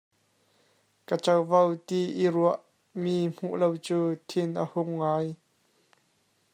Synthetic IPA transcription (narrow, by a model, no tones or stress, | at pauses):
kət͡sɐwvɐwt̪iʔiruəʔ | miːm̥ṵʔlowt͡suːt̪ʰɪnʔəhʊŋːaːj